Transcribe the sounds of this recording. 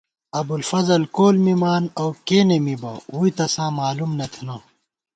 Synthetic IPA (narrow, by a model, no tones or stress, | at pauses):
ɐbulfɐzɐlkoːlmimaːnɐwkeːnemibɐuit̪ɐsãːmaːlumnɐt̪ʰnɐ̃ː